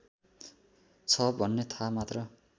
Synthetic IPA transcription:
t͡sʰʌbʱʌnːet̪ʰamat̪rʌ

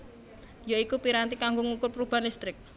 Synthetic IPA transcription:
joikupiɾant̪ikaŋɡoŋukʊrprub̥a̤ndist̪ɾɪk̚

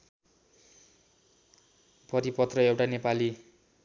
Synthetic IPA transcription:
pʌɾipʌt̪rʌewʈanepali

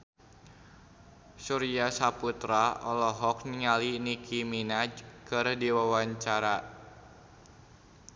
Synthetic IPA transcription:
suɾiasaput̪ɾaɔ̰lɔɦɔk̚niŋalinikʰiminakɨrdiwawaɲt͡ʃaɾa

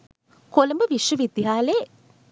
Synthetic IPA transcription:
koləmbəʋiʃʋəʋid̪jiɦaːle

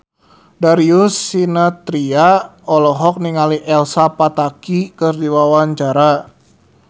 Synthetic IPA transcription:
daɾiusinat̪ɾiaɔlɔɦɔk̚niŋaliʔɛlsapat̪akikɨrdiwawaɲt͡ʃaɾa

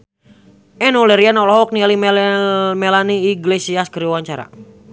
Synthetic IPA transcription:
ɛnulɛɾianɔlɔɦɔk̚nialim | mɛlaniːɡlesiaskəɾiwaɲt͡ʃaɾa̰

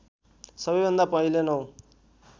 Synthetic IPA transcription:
sʌbʌjbʱʌnd̪apʌɦilenʌw̃

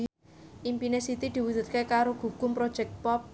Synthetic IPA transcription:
ʔimpinesit̪id̪̥i̤wud̪̥ṳt̪̚kekaɾoɡ̥ṳkʊmpɾod̥ʒ̥ɛk̚t̪̚pɔp̚

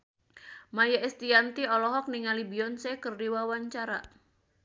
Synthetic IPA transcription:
majaɛst̪iant̪iɔlɔɦɔk̚niŋalibiɔnsekərdiwawaɲt͡ʃaɾa̰

